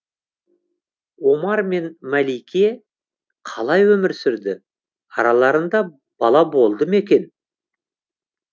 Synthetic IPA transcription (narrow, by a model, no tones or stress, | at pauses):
wo̞mɑɾme̞nmælijkʲe | qʰɑlˠɑjwɵmɪɾsʏɾd̪ɪ | ɑɾɑlˠɑɾənd̪ɑ | b̥ɑlˠɑbo̞lˠd̪əme̞kʲe̞n